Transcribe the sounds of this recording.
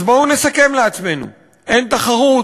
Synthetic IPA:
boune̞sake̞mleat͡sme̞nṵ | ʔe̞nt̪aχaʁu

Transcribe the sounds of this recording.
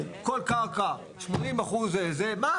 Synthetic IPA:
kolkaʁka | ʃmonimaχuzezema

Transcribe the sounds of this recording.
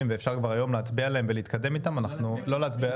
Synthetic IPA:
imveːfʃaʁkvaʁajo̞mleat͡sbialeemveliːt̪kad̪e̞mit̪amanaχnulo̞leat͡sbia

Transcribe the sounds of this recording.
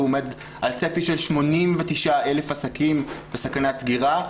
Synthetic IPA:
omed̪ | ʔalt͡sefiʃe̞lʃmo̞nimvet̪iʃae̞lefasakimb̥esakanat͡sɡiʁa

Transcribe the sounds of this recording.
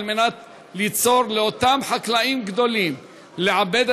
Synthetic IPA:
lmenat̪ | lit͡so̞ɾleot̪amħaklaʔimɡd̪o̞lim | leʕabed̪

